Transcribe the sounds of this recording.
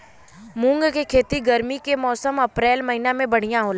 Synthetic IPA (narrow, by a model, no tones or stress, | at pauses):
mʊ̃ŋɡkekʰeːt̪iɡɐɾmikemɔːsəmɐpɾeːlmɐɦinamẽbɐɽ̤ijãɦoːla